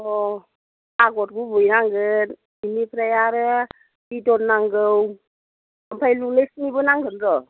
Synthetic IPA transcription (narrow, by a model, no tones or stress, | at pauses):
ɔ | aɡɔt̚ɡubujnaŋɡɯt | inipʰɾajaɾɯ | bidɔnnaŋɡɯw | əmpʰajlulesnibɯnaŋɡʱɯnɾɔ